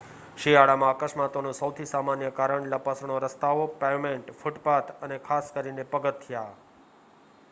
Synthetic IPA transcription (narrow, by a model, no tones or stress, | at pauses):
ʃiaɽamãakəʃmat̪onũsəʊt̪ʰisamanjəkaːɾəɳləpəsɳ̃oɾəst̪aʋopemẽɳʈfʊʈpat̪ənekʰaːskəɾinepəɡət̪ʰːijaː